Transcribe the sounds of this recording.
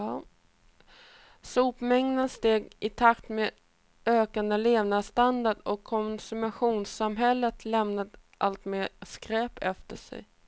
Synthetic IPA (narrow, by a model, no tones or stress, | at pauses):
suːpmɛŋd̪ənst̪eːɡɪt̪ʰakt̪meː | øːkand̪əleːvnast̪and̪aɖɔkʰːɔnsɵmaɧuːnsamɦɛlːət̪ʰlɛmnad̪ | ʔalt̪meːskɾɛːpɛft̪əʂɛ̰j